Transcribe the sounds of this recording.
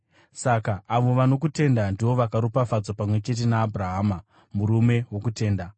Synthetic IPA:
sakaːʋo̞ʋano̞kute̞ndandiʋo̞ʋakaɾupafad͡zapamwe̞t͡ʃe̞t̬e̞naːbʱraɦaːma | muɾume̞wo̞kute̞ːnda

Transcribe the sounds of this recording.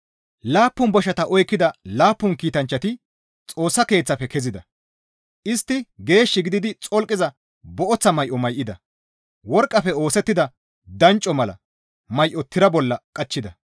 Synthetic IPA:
laːpːʊnbɔʃɐt̪ɐʔɔjkːɪd̪ɐlaːpːʊnkiːt̪ɐnt͡ʃːɐt̪ɪ | t͡sʼo̞ːsːɐke̞ːt͡sːɐpɛkɛzɪd̪ɐ | ʔɪst̪ːɪɡe̞ːʃːɪɡɪd̪ɪd̪ɪt͡sʼɔlkʼːɪzɐ | bɔʔɔt͡sːɐmɐjʔɔmɐjʔɪd̪ɐ | wɔɾkʼːɐfɛo̞ːsɛt̪ːɪd̪ɐ | d̪ɐnt͡ʃʼːɔmɐlɐ̰ | mɐjʔɔt̪ʰɪɾɐbɔlːɐkʼɐt͡ʃːɪd̪ɐ

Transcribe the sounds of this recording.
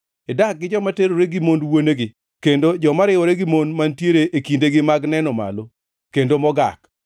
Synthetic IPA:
edak̚ɡɪd͡ʒɔmateɾoɾeɡɪmondwoneɡɪ | kendod͡ʒɔmaɾɪwɔɾeɡɪmondmantjeɾeʔekindeɡɪmaɡnɛnɔma̰lo | kendomɔɡa̰k

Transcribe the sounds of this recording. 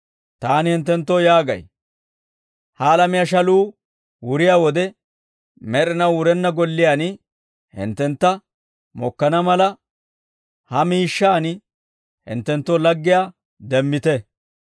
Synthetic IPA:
t̪aːnɪhɪnt̪ːɛnt̪ːɔjaːɡɐ̰j | hɐːlɐmɪjaʃ̬ɐluː | wʊɾɪjaːwɔd̪ɛ | mɛɾɪnɐwʊɾɛnːɐɡɔlːɪjaːnɪ | hɪ̰nt̪ːɛnt̪ːɐ | mɔkːɐnɐmɐlɐ | hɐmiːʃːaːn | hɪ̰nt̪ːɛnt̪ːɔlɐɡːɪjaː | d̪ɛmːɪt̪ɛ

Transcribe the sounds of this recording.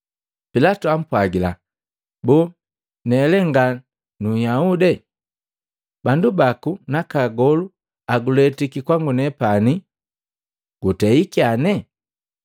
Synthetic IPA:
pilatuam̩pwaɡila | bɔ | nɛlɛŋɡa | nujaudɛ | bandubakunakaɡɔlu | aɡulɛtikikwaŋɡunɛpani | ɡ̥utɛikianɛ

